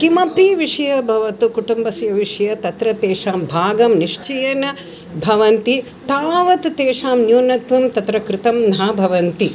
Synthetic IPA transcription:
kimɐpiʋiʂɐjɐbʱɐʋɐt̪ukuʈumbɐsjɐʋiʂɐjɐt̪ɐt̪ɾɐt̪eːʂaːmbʱaːɡɐmniʂt͡ʃɐjɐnɐ | bʱɐʋɐnt̪i | t̪aːʋɐt̪ut̪eːʂaːmnjuːnɐt̪ʋumt̪ɐt̪ɾɐkɾɪt̪ɐmnɐɦɐbʱɐʋɐnt̪i

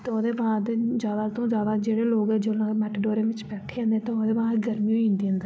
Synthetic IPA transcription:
t̪oːd̪eːbaːd̪d͡ʒjaːd̪aːt̪õːd͡ʒjaːd̪aːd͡ʒeːɽeːloːɡɛːd͡ʒelãːmɛʈɖoːɾeːʋɪ̃t͡ʃbɛːʈʰẽːnd̪ẽt̪eoːd̪eːbaːɡəɾmiːõĩːnd̪iːə̃nd̪a

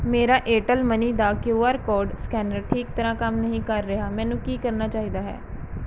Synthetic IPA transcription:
meːɾaːʔeːʈəlməniːd̪aːkjoːaːɾkɔːɾɖskɛːnəɾʈʰiːk̚t̪əɾãːkəmnəɦĩːkəɾːɪɦaːmɛːnũːkiːkəɾnaːt͡ʃaːɦiːd̪aːɦɛ̰ː

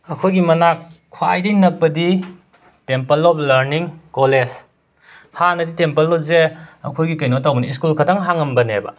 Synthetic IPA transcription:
ɐkʰojɡimɐnakʰ | wajdɐjnɐk̚pɐdi | tempɐlɔp̚ʰlɐɾniŋkoles | hanɐditempɐlːɔp̚zeɐ̰kʰojɡikɐjnotawbɐniːskulkʰɐtʰaŋɦaŋɐmbɐnebɐ̰

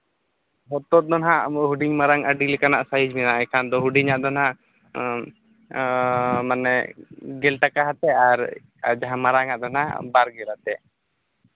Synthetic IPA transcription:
ɦɔt̪ɔt̪̚d̪ɔnɦaɦuɖiɲmaɾaŋəɖilɛkanaʔsaɦid͡ʒminaʔɛkʰand̪ɔɦuɖiɲaʔd̪ɔnɦaʔ | manɛɡɛlʈakaɦat̪ɛaɾ | d͡ʒaɦãmaɾaŋaʔd̪ɔnɦa̰baɾɡɛlat̪ɛ

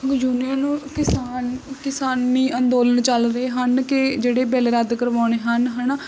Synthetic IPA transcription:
juːniənũːkɪsaːnkɪsaːnːiːʔənd̪oːlənt͡ʃəlɾəeːɦənkɪd͡ʒeːɽeːbɛlɾəd̪kəɾʋaːɳeːɦənɦən

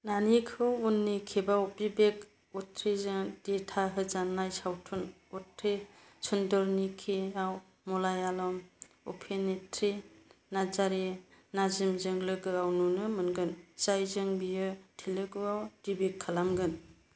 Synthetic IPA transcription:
nanikʰɯwunːikʰibawbibek | ɔtʰɾizɯd̥itʰaɦɯzanːajsawtʰunɔtʰɾi | t͡ʃʰundɔɾnikʰiaw | mɔlajalɔm | ɔ̰pʰenetʰɾinazaɾinazimzɯŋlɯɡɯawnunɯmɯnɡɯnz̥ajzɯŋbijɯtʰilɯɡɯawd̥ibikʰːalamɡɯn

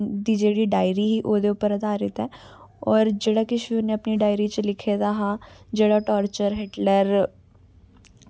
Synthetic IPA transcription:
d̪id͡ʒeːɽiɖaːɪɾiɦiʔoːd̪eʊpəɾɐd̪ʱaːɾɪt̪ɛ | ɔːɾd͡ʒeːɽakɪʃiʊneɐpniɖaːɪɾit͡ʃlɪkʰed̪aɦad͡ʒeːɽaʈɔːɾt͡ʃəɾɦeːʈləɾ

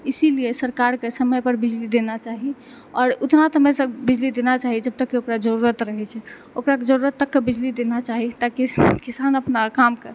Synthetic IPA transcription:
isiliesəɾkaɾkesəməjpəɾbid͡ʒlid̪enat͡ʃaɦi | ɔːɾut̪nat̪ɦmesə̃bid͡ʒlid̪enat͡ʃaɦid͡ʒəb̚t̪əkːeokɾad͡ʒəɾuɾət̪ɾəɦɛt͡ʃʰɛ | okɾaked͡ʒəɾuɾət̪ːəkːebid͡ʒlid̪enat͡ʃaɦit̪akikisanəpnakamkeɾ

